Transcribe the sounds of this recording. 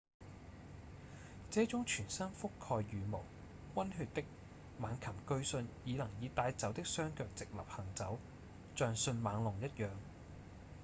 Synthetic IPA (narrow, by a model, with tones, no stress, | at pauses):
t͡sɛː˨˥t͡sʊ˨˥ŋt͡ʃʰyː˨˩nsɐ˥nfʊ˥kʰːɔː˧jɥyː˨˧mo˨˩w | wɐ˥nɦyː˧t̚t̪ɪ˥k̚ | maː˨˧nkʰɐ˨˩mkɵ˧ɥsɵ˧njiː˨˧lɐ˨˩ŋjiː˨˧t̪aː˧jt͡sɐ˨˥wt̪ɪ˥k̚sœː˥ŋkœː˧k̚t͡sɪ˨k̚lɐ̰˨p̚hɐ˨˩ŋt͡sɐ˨˥w | t͡ʃœː˨˧ŋsɵ˧nmaː˨˧ŋlʊ˨˩ŋjɐ˥t̚jœː˨ŋ